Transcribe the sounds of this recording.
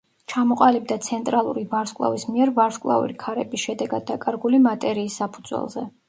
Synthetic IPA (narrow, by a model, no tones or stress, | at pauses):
t͡ʃʰamɔqʼalib̚d̪at̪sʰɛnt̪ʼɾalˠuɾivaɾskʼlˠa̰vismiɛɾvaɾskʼlˠa̰ṵɾikʰaɾɛbisʃɛd̪ɛɡad̪̚ːakʼaɾɡulimat̪ʼɛɾiːsːapʰud̪zwɛ̰lˠzɛ